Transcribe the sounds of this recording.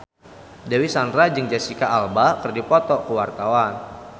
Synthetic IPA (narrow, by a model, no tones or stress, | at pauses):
dawisandɾad͡ʒɨŋd͡ʒasikaʔalbakɨrdipɔt̪ɔkəwart̪awan